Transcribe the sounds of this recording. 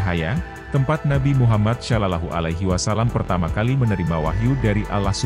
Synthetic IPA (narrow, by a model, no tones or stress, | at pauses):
ɦaja | t̪əmpat̪̚nabimuɦamat̪̚ʃalalaɦuʔa̰lajɦiwasalampərt̪amakalimənəɾimawa̰ɦiudaɾiʔalahsu